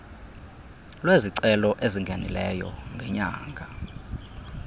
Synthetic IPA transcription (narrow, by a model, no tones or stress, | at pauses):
lweziǀɛlɔʔeziŋɡʱanḭlɛjɔ̰ŋɡʱɛɲaːŋɡʱa